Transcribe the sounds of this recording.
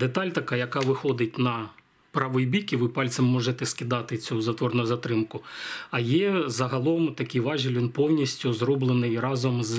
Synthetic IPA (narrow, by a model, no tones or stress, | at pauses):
d̪et̪ɑlʲt̪ɐkɑjɐkɑʋɪxɔd̪ɪt̚ʲnɐ | pɾɑʋɔjbʲikiʋɪpɑlʲt̪sɛmːɔʒɛt̪ɛskʲɪd̪ɑt̪ɪt͡sʲuzɐt̪ʋɔrnʊʊzɐt̪ɾɪmkʊɐjɛzɐɦɐlˠɔmt̪ɐkʲɪjʋɑʒɪlʲʋʲinpɔwnʲisʲtʲʊzrɔblˠenɪjrɑzɔmz